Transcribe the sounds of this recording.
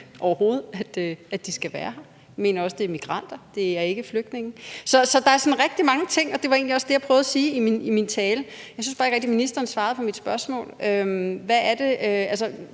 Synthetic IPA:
ʔɒʊɐho̝ːð̞̩ˠæd̥øæ̥isɡ̥æʋæːɐɦɑ | jme̝ːnɐɒ̽səd̥e̝ɐmiɡ̥ʁɑ̈n̰d̥ɐd̥e̝æɐe̝ɡ̥əfløɡ̥d̥ne̝ŋn̩sɒ̽sɒ̽d̥ɑ̈æɐsɒ̽nʁɛɡ̥̚d̥imɑ̈ŋət͡sʰe̝ŋ̰ɒ̽d̥e̝ʋɑ̈e̝ːnliɒ̽sd̥ejɑ̈pʰʁœːʊð̞ˠɐsiːiminimint͡sʰɛːləjɑɪsynsfɑ̈ːseɡ̥ʁeɡ̥̚d̥iminisd̥ɐn̩sʋɑ̈ːð̞̩ˠpʰɒ̽mid̥sb̥ɶɐsmɔ̰̽ːlømʋæːɐd̥e̝ælsɐ

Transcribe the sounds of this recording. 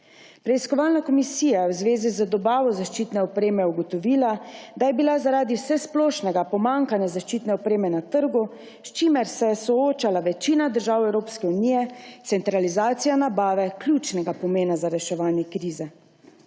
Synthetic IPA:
pɾɛiskɔʋaːlnakɔmisiːjajɛwzʋeːzizəd̪ɔbaːʋɔzaʃt͡ʃiːt̪nɛɔpɾeːmɛuɡɔt̪ɔʋiːlad̪ajɛbilazaɾaːd̪iwsɛsplɔːʃnɛɡapɔmaŋkanjazaʃt͡ʃiːt̪nɛɔpɾeːmɛnat̪əɾɡu | st͡ʃiːmɛɾsɛjɛsɔoːt͡ʃalaʋɛt͡ʃiːnad̪əɾʒaːwɛwɾoːpskɛuniːjɛt̪sɛnt̪ɾalizaːt̪sijanabaːʋɛklʲjuːt͡ʃnɛɡapɔmeːnazaɾɛʃɛʋaːnjɛkɾiːzɛ

